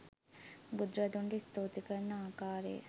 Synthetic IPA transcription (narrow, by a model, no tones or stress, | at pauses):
bud̪ɾɐd̪uɳɖist̪uːt̪ikɐnaːkaːɾḛː